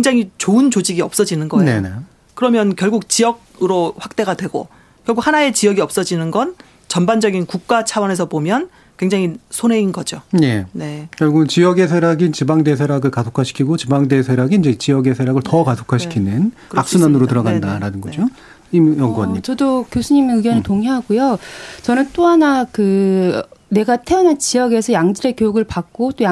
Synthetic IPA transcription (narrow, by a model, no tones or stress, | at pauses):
kkeŋd͡ʑaŋit͡ɕoɯnt͡ɕod͡ʑiɡiʌp̚s͈ʌd͡ʑinɯnɡʌne̞ne | kɯɾʌmjʌnkjʌɭɡuk̚t͡ɕijʌɡ̚ | ɯɾoɸwak̚t͈e̞ɡadwe̞ɡo̰ | kjʌɭɡukhanae̞t͡ɕijʌɡiʌp̚s͈ʌd͡ʑinɯnɡʌn | t͡ɕʌnband͡ʑʌɡinkuk̚k͈at͡ɕʰawʌne̞sʰʌbomjʌn | kwe̞ŋd͡ʑaŋisʰone̞inɡʌd͡ʑone̞ne̞kjʌɭɡunnt͡ɕijʌɡe̞s̬ʰeɾaɡint͡ɕibaŋde̞s̬ʰeɾjaɡɯɭkasʰokʰaɕʰi̥kʰiɡot͡ɕibaŋde̞sʰeɾaɡiiɲd͡ʑe̞t͡ɕijʌɡe̞sʰeɾjaɡɯɭtʌkasʰo̥kʰaɕʰi̥kʰinɯn | aks͈unanɯɾotɯɾʌɡandaɾanɯnɡʌd͡ʑo | imjʌŋɡwʌɲit͡ɕʌdokjosʰuɲimenɯɡjʌnɯɭtoŋiɦaɡojot͡ɕʌnɯnt͈oɦanakɯ | ne̞ɡatʰeʌnant͡ɕijʌɡe̞sʰʌjaŋd͡ʑɯɾe̞kjojuɡɯɭpak̚k͈ot͈oja